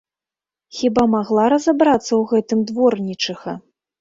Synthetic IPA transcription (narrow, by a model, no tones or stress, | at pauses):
xʲibamaɣlˠaɾɐzabɾat̪sːɐwɣɛt̪ɨmd̪vɔrnʲit͡ʂɨɣɐ